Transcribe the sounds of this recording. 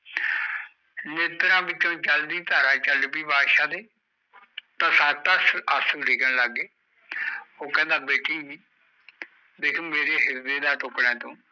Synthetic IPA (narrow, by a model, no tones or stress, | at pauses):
neːt̪ɾãːbɪt͡ʃõːt͡ʃəld̪iːt̪aːɾaːt͡ʃəlbiːbaːd̪ʃãːd̪eː | t̪ãːsaːt̪əsəsəlɖɪːkəɽləɡːeː | oːkɛ̃ːnd̪ãːbeːʈiːiː | d̪eːkʰːmeːɾeːɦɪɾd̪eːd̪aːʈʊkɽɛ̃ːt̪õː